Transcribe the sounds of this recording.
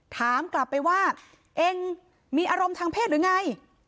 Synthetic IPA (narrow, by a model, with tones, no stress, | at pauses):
t̪ʰaː˩˦mkla˨˩pːa˧jwaː˥˩ | ʔe˧ŋ | miː˧ʔaː˧ɾo˧mt̪ʰaː˧ŋpʰeː˥˩t̪ɾɯ˩˦ŋa˧j